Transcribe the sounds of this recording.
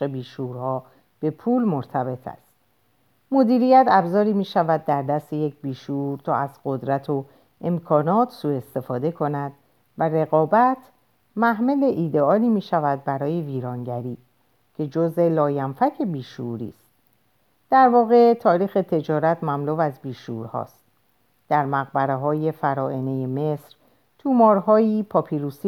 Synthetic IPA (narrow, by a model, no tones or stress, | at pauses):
ebiːʃuɾhɒː | b̥e̞pʰuːlmoɾt̪ʰæbe̞t̪ʰæ̰st̪ | mo̞d̪iːɾijæt̪ʰæbzɒːɾiːmiːʃævæd̪̚ːæɾd̪æst̪e̞jecbiːʃuɾt̪ʰɒːæzɢo̞d̪ɾæt̪ʰo | ʔe̞mkʰɒːnɒːt̪ʰsuːe̞st̪e̞fɒːd̪e̞kʰo̞næd̪ | væɾe̞ɣɒːbæt̪ʰ | mæhmele̞ʔiːd̪eɒːliːmiːʃævæd̪̚bæɾɒːje̞viːɾɒːŋɟæɾiː | cʰe̞d͡ʒozelɒːjænfæcʰe̞biːʃṵɾḭːst̪̚ | d̪̥æɾvɒːɣe̞t̪ʰɒːɾiːxe̞t̪ʰe̞d͡ʒɒːɾæt̪mæmluːvæzbiːʃṵɾhɒ̰ːst̪̚ | d̪̥æɾmæɣbæɾeɦɒːje̞fæɾɒːʔenejeme̞sɾ | t̪ʰumɒːɾɦɒːiːpʰɒpʰiɾusi